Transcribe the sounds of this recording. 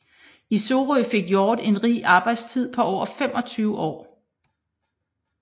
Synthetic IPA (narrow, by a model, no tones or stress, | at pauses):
iso̝ːʁɔfe̝ɡ̥jɒːd̥e̝nʁḭːʔɑ̈ːb̥ɑ̈ɪd̥st͡sʰið̰ˠpʰɒ̽ʔɒ̰ːfem̰ʔɒ̽t͡sʰyːʊəʔɒ̰ː